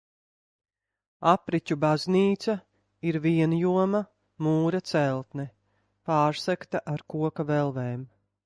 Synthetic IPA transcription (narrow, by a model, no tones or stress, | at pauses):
apɾicʲubazniːt̪sa | iɾviɛnjuɔmɐ | muːɾat̪sɛlˠt̪nɛ | paːɾsɛkt̪aʔaɾkuɔkavɛlˠveːm